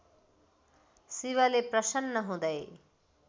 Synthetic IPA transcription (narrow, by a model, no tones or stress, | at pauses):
siwʌleprʌsʌnːʌɦũd̪ʌj